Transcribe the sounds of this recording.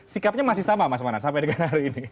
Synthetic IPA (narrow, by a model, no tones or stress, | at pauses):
sikap̚ɲamasihsamamasmanansampɛdiɡanaɾiːni